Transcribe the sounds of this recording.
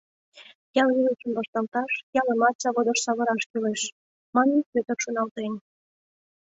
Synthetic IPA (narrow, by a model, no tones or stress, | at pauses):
jɑliləʃəmbɑʃt̪ɑlt̪ɑʃjɑləmɑt̪sɑβod̪ə̆ʃsɑβɤ̆ɾɑʃkileʃ | mɑnənpøt̪ərʃunɑlt̪en